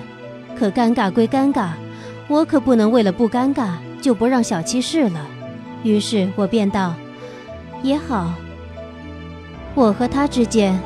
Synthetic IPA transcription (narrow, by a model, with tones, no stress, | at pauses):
kʰɤ˨˩ka˥nka˥˩kwe˥ɪka˥nka˥˩ | wɔ˧˥kʰɤ˨˩pu˥˩nɤ˧˥ŋwe˥˩ɪlə˩pu˥˩ka˥nka˥˩ | t͡ɕjo˥˩ʊpu˧˥ɻɑ˥˩ŋɕjɑ˨˩ʊt͡ɕʰi˥ʂɻ̩˥˩lə˩ | y˧˥ʂɻ̩˥˩wɔ˨˩pjɛ˥˧nt̪ɑ˥˩ʊ | jɛ˧˥xɑ˨˩˦ʊ | wɔ˨˩xɤ˧˥t̪ʰa˥ʈ͡ʂɻ̩˥t͡ɕjɛ˥n